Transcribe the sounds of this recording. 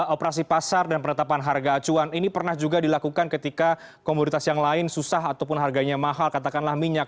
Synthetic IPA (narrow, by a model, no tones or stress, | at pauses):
opəɾasipasardanpənət̪apanɦarɡaːt͡ʃuaninipərnahd͡ʒuɡadilakukankət̪ika | komonit̪asjaŋlaɪnsusahat̪awpʊnɦarɡaɲamaɦalkat̪akanlahmiɲak̚